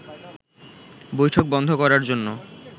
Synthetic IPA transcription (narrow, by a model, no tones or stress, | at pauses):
bojʈʰok̚bɔnd̪ʱokɔɾaɾd͡ʑonːo